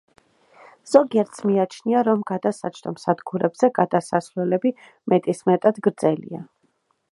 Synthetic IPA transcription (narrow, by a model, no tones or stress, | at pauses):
z̥ɔɡiɛɾt̪smiat͡ʃʰniaɾɔmɡad̪asat͡ʃʰd̪ɔmsad̪ɡuɾɛbzɛɡad̪asasvlɛlɛbi | mɛt̪ʼismɛt̪ʼad̪ɡɾd̪zɛlḭa